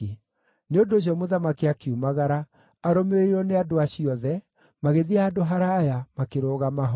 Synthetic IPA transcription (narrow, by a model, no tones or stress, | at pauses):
neondoɕ̬iɔmoðamakiakiumaɣaɾaː | ɾomeeiɾɔneadoaɕiɔðɛ | maɣeðiaːdoɦaɾaːjamakeɾoːɣamaɦ